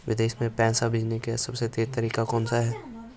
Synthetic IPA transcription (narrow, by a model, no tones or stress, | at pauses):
ʋɪd̪eːʃmẽpɛ̃ːsabɪd͡ʒnekesɐbset̪eːɾt̪əɾiːkakɔːnsaɦɛː